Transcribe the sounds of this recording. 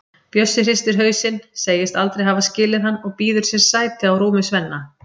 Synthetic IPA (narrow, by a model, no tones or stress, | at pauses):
pjœsːɪr̥ɪst̪ɪɾ̥ɦœːɥsɪnseːjɪst̪alt̪ɾejɦavascɪːlɪðhanːɔɣpiːðʏɾ̥sjɛɾ̥saːjt̪ɪawɾuːmʏsvɛnːa